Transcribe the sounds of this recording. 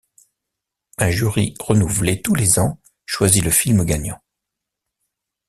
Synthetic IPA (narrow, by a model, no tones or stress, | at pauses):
ɛ̃ʒyʁḭʁənuvlet̪ulezɑ̃ | ʃwaziləfilməɡaɲɑ̃